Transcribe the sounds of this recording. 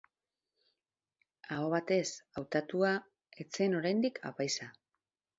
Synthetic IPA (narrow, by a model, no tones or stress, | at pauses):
ao̞β̞at̪e̞sawt̪at̪ua | e̞t͡se̞no̞ɾajnd̪ikʰa̰pajsa